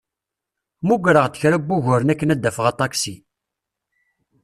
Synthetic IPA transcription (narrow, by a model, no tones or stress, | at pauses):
muɡɾəʁt̪ːə̥çɾæbːuʝʊɾnækːənæd̪ːæfəʁɑt̪ˤɑksi